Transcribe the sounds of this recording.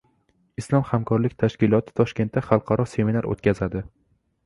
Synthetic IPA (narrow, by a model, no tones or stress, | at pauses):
ɪslˠɒmhamkʰɒɾlɪkʲt̪ʰaʃkʲɪlˠɒt̪ʰɪ̥t̪ʰɒʃkʲent̪ːaχɑlˠqʰɑɾɒse̞minaɾo̰t̪̚kʲazad̪ɪ